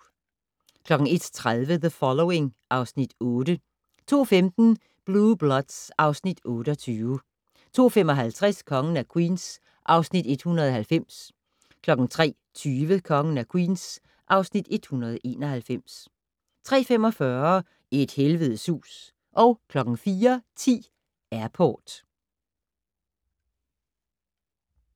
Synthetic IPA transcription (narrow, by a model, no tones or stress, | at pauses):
kʰlɒ̽ɡ̥ŋ̩e̝d̥t͡sʰʁaðˠʋəðəfɒ̽loʊe̝ŋʔɑ̈ʊsnid̥ɔ̽ːd̥ə | t͡sʰo̝̰ːfemd̥n̩ | b̥lub̥lɒd̥sʔɑ̈ʊsnid̥ɔ̽ːɾ̥əɒt͡sʰyːʊ | t͡sʰo̝̰ːfem̰ɒ̽ɦælt͡sʰʁaskʰɒ̽ŋn̩ækʰwḭːns | ʔɑ̈ʊsnid̥e̝d̥hunɐðˠɦælfem̰s | kʰlɒ̽ɡ̥n̩t͡sʰʁɛ̰ː | t͡sʰyːʋəkʰɒ̽ŋən̩ækʰwḭːns | ʔɑ̈ʊsnid̥e̝d̥hunɐð̞ˠʔe̝̰ːnɒ̽hælfem̰s | t͡sʰʁɛ̰ːfemɒ̽fɶɐ | ed̥helʋəð̩ˠsṵːs | ʔɒ̽ʊkʰlɒ̽ɡ̥ŋ̩fiːɐt͡sʰḭː | æɐpʰoːd̥